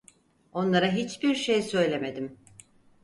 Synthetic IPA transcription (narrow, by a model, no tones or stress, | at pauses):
o̞nlˠaɾaɦit͡ʃbiɾʃejsø̞jlʲeme̞d̪im